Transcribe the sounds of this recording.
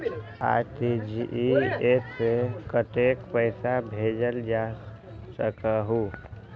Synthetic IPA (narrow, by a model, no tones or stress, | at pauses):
a̰ʈid͡ʒiʔiesekəʈekpəɪsabʱed͡ʒəld͡ʒa | səkəɦu